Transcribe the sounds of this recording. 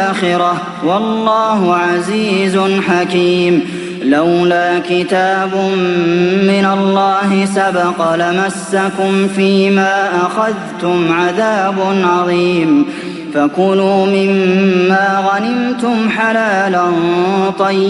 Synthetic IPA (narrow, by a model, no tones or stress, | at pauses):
axɪɾɑ | wɑlːɑːɦʊʕaziːzʊħakiːm | lawlaːkɪt̪aːbʊː | ɪnalːɑːɦɪsabɑqɑlamasːakʊmfiːmaːʔaxaðt̪ʊmʕaðaːbʊnʕɑðˤiːm | fakʊnuːmɪmːaːɣanɪmt̪ʊmħalaːlant̪ˤɑjː